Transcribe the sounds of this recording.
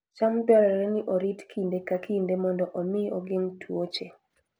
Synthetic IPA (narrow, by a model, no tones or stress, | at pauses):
t͡ʃamdɔɾɛɛɾɛnɪʔoɾitkʰindekakindemɔndɔʔɔmɪoɡɪntʰwot͡ʃe